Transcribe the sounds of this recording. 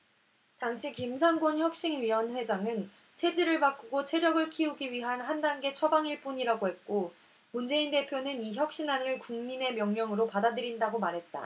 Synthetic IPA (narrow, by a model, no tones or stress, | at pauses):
taŋɕʰikims̬ʰanɡonçjʌk̚ɕ͈iŋɥiwʌnɸwe̞d͡ʑaŋɯn | t͡ɕʰe̞d͡ʑiɾɯɭpak͈uɡot͡ɕʰe̞ɾjʌɡɯɭkʰiuɡiɥiɦanɦandanɡe̞t͡ɕʰʌbaŋiɭp͈uɲiɾaɡoɦe̞t̚k͈o | mund͡ʑe̞inde̞pʰjonɯniçjʌk̚ɕ͈inanɯɭkuŋmine̞mjʌŋɲʌŋɯɾopadadɯɾindaɡomaɾɦe̞t̚t͈a̰